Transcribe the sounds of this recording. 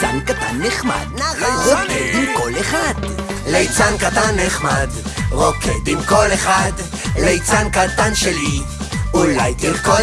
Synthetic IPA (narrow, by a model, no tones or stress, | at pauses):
ankat̪anːeχma̰d̪ʁokʰed̪imkoleχad̪ | lejt͡sankat̪anːeχmad̪ʁokʰed̪imkoleχad̪ | lejt͡sankat̪anʃeli | ulajd̪iʁko